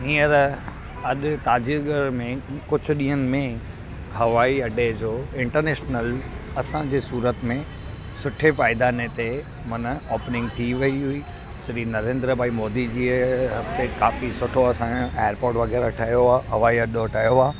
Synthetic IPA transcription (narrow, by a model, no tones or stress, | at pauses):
ɦiːəɾ | ɐɗt̪aːd͡ʑiɡəɾmẽkʊd͡ʑʱʊ̆ɗĩːɦənɪ̆mẽ | ɦɐʋaːiɐɖʱed͡ʑoːɪ̃ɳʈəɾneːʃnəlɐsãd͡ʑeːsuːɾət̪mẽ | sʊʈʰepaːɪd̪anet̪e | mɐnəɔːpnɪ̃ŋɡ̚t̪ʰiʋɐiɦuiː | sɪɾiːnɐɾẽːnd̪ɾəbaːimɔːd̪id͡ʑiːɦɐst̪eːʈkaːfisʊʈʰoɐsãeːəɾpoːɾʈʋɐɡɛːɾɐʈʰaːjoaːɦɐʋaːiɐɗoʈajoaː